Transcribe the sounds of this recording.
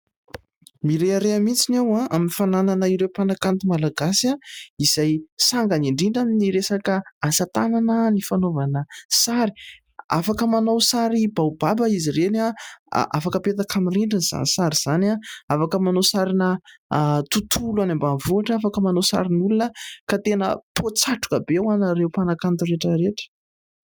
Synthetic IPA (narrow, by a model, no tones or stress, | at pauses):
miɾeaɾeamit͡sinewãaminifanananaiɾewpanakant̪umalaɡasiaiz̥ajsaŋɡaniɳɖ͡ʐiɳɖ͡ʐaminiɾesakəasat̪ananənifanovanəsaɾi̥ | a̰fakəmanowsaɾibawbabəiziɾena̰ʔa̰fakəpet̪akamiriɳɖ͡ʐinz̥a̰nisaɾiz̥anaafakəmanosaɾinə | t̪ut̪ʰulanambanvuaʈ͡ʂəafakəmanosa̰ɾinulunəkat̪enə̰pʰot͡saʈ͡ʂu̥kəbewanaɾewpanakant̪uɾeʈ͡ʂəɾeʈ͡ʂə̥